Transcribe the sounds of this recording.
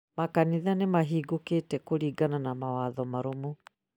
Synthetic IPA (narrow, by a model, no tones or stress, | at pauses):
makaniðanemaɦiːɡoketɛkoɾiːɡananamawaːðɔmaɾomu